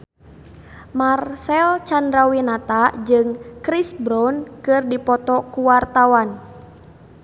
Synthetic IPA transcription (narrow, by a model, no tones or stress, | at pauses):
marsɛlt͡ʃandɾawinat̪ad͡ʒɨŋkɾisbɾɔnkɨrdipɔt̪ɔkuwart̪awan